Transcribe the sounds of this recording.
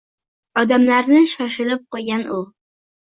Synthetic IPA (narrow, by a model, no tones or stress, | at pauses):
ɒd̪amlaɾnɪʃɒʃɪlɪp̚qʰoɡʲanʊ